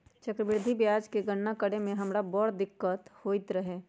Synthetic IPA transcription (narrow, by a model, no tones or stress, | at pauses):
t͡ʃəkɾəbɪɾd̪ʱibjaːd͡ʒkeɡəɳːakəɽemẽɦɐmɾabɔːɽd̪ɪkːət̪hoːɪt̪ɾəɦɛː